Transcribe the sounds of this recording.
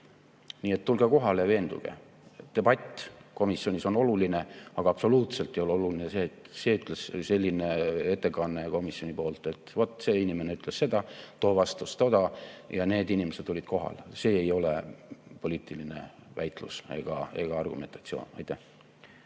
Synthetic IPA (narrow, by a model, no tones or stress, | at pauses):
niːet̪ːulɡ̥eko̞ɦɑlejɑve̞ːnd̪̥ṵɡ̥e̞̰ | d̪̥e̞b̥ɑt̪ʲːˑko̞misːio̞nʲiso̞no̞luline̞ɑɡ̥ɑɑpso̞luːt̪se̞lt̪ːejo̞lo̞lulinese̞ːt̪se̞yt̪ˑlesse̞lʲːine̞e̞t̪ːe̞kɑnːe̞ko̞misjo̞nʲipo̞ːlt̪e̞t̪vo̞t̪ːˑse̞ːinʲimeneyt̪ːˑle̞sse̞d̪̥ɑt̪o̞ːvɑst̪ust̪od̪̥ɑjɑne̞ːd̪inʲimesed̪̥ːulʲid̪̥ko̞ɦɑ̰lse̞ːejo̞lḛpo̞lʲiːt̪ːˑiline̞̰væjt̪luse̞̰ɡ̥ɑe̞ɡ̥ɑɑrɡ̥ume̞nt̪ɑ̥t̪sio̞̰ːnɑ̰jt̪ːˑæh